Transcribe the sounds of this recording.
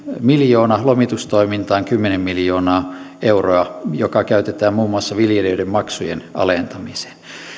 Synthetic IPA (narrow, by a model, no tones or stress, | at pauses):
miljoːnɑlomit̪ust̪oimint̪ɑːŋkymːenemmiljoːnɑː | euroɑjokɑkæyt̪et̪æːmmuːmːuɑsːɑʋiljeliøidemmɑksujḛnɑ̰lent̪ɑmise̥n